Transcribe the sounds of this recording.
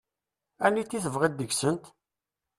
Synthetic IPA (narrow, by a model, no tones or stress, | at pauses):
ænːit̪ːiθəvʁid̪ːəɡsənt̪